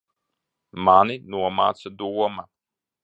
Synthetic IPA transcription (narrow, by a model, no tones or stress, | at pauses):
maninuɔma̰ːt̪sɛd̪uwɔma